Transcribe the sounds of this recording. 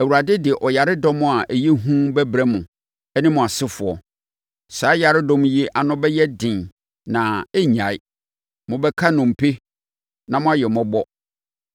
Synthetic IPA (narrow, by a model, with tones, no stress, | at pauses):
æ˨wu˨ɾa˨dɪ˦dɪ˨ɛ˨ʔɔ˨ja˨ɾɪ˦dɔ̃˦mʊ̃˨a˨ʔɛ˨je˦ɦũ˦bɛ˦bɾɛ˦mʊ̃˨ | ɛ˦nɪ̃˦mʊ̃˨a˨sɪ˦fʊ˨ɔ̰˨ | sa˨˦ja˨ɾɪ˦dɔ̃˦mʊ̃˦je˦ʔa˨nʊ̃˦bɛ˦jɛ˦dɪ̃˨n | nã˨ɛ˦ɲã˨ɪ˦ | mʊ̃˨bɛ˦kʰa˦nʊ̃˨m̩˨pʰe˦ | nã˨mʊ̃˦a˦jɛ˨mɔ̃˦bɔ˦